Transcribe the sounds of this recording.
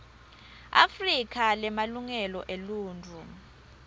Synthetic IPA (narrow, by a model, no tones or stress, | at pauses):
a̰frikʰalɛmaluŋɛlɔʔeluːntu